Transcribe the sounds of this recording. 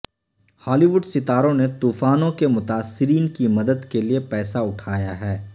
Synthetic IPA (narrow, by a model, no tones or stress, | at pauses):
haːliʋʊɖsɪt̪aːɾõnet̪uːfaːnõkemʊt̪aːsːɪɾiːnkimɐd̪əd̪keliepɛːsaʊʈʰaːjaɦɛː